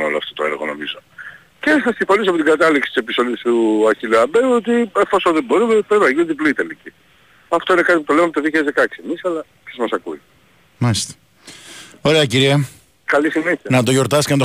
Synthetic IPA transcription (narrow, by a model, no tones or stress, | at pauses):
oloɐ̰ft̪ot̪oeɾɣo̰no̞̰mizo | ceθɐst̪ĩfo̞nisopot̪iɡɐt̪ɐliksi̥t̪isepisolist̪uɐɾçiluɐbeuot̪iefo̞sonðebo̞ɾumepenɐʝinuðiploit̪elici | ɐft̪o̞ine̞kɐt̪iput̪o̞lemmpt̪oðiçezðekɐksiemisɐlɐ | izmɐsɐkui | mɐlist̪e̥ | o̞ɾeɐciɾiɐ | kɐlisineçiɐnɐt̪o̞ʝo̞ɾt̪ɐscenɐt̪o